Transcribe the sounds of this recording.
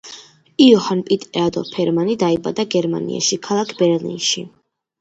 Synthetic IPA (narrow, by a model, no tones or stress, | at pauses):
iɔhanpʼit̪ʼɛad̪ɔ̰lˠpʰɛɾmanid̪aiba̰d̪aɡɛɾma̰nḭʔa̰ʃikʰalˠakʰbɛɾlḭnʃi